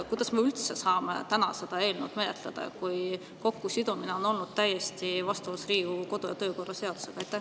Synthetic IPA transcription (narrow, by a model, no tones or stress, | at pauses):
kujd̪̥ɑsmeylt̪sesɑːmḛt̪ænɑse̞d̪̥ɑe̞ːlnuwd̪me̞net̪led̪̥ɑ̰kuj | ko̞kːusid̪̥umine̞o̞no̞lnud̪̥t̪æjːest̪ivɑst̪uvusriːɡuko̞d̪̥ojɑt̪ø̞ːko̞rːɑse̞ɑd̪u̥se̞ɡ̥ɑjt̪ːˑæ